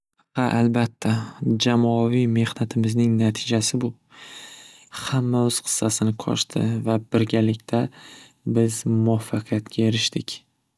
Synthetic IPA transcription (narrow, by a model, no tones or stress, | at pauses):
haʔalbat̪ʰːad͡ʒamɒɒvijme̞hnat̪ʰɪmɪznɪŋnat̪ʰɪd͡ʒasɪbʊ | hamːaʊz̥qʰɨ̥sːasɪnɪqʰɒ̰ʃt̪ʰɪ̰vabɪɾɡʲalɪkʲt̪ʰa | bɪzmʊafːɑqʰijat̪kʲʰae̞ɾɪʃt̪ɪkʲ